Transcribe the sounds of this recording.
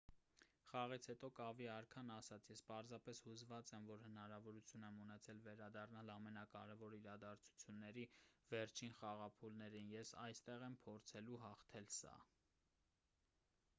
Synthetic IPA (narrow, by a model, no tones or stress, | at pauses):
χɑʁit͡sʰhɛt̪ɔkɑviɑɾkʰɑnɑsɑt͡sʰjɛspɑɾzɑpɛshuzvɑt͡sɛmvɔɾhənɑɾɑvɔɾut͡sʰjunɛmunɛt͡sʰɛlvɛɾɑd̪ɑrnɑlɑmɛnɑkɑɾɛvɔɾiɾɑd̪ɑɾt͡sʰu̥t͡sʰjunːɛɾivɛɾt͡ʃʰinχɑʁɑpʰulnɛɾinjɛsɑjst̪ɛʁɛmpʰɔɾt͡sʰɛluɦɑχt̪ʰɛlsɑ̰